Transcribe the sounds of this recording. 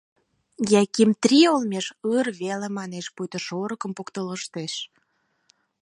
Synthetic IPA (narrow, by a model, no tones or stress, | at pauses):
jækimt̪ɾiolmʲeʃərβelemɑneʃpujt̪ə̆ʃoɾəkə̆mpokt̪ələʃt̪eʃ